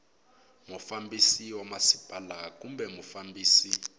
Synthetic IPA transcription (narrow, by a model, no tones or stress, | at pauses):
mɔfambisiwamasib̥ʱʼalak̬umbɛmufambiːsi